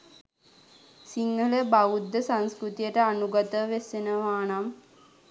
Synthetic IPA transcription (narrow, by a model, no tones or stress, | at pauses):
siŋːələbaʋud̪ːəsanskɾut̪ijəʈəanuɡat̪əʋesenəʋaːnam